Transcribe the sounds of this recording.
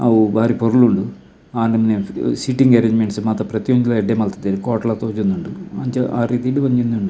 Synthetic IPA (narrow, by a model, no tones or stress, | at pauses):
ɐ̰ʋbaːɾipoɾuɭuɳɖɨ | aːnnɐminːesiʈːiŋɡɐɾeɲd͡ʑimeɳɖɨsɨmaːt̪ːɐprɐt̪joːɲit̪lɐeɖemɐlt̪ːɐt̪ːeɾuko̞ːʈːɐɭat̪ːoːd͡ʑunːuɳɖɨɐɲd͡ʑɐaːriːðijiɽɨʋɐɲd͡ʑinːuɳɖɨ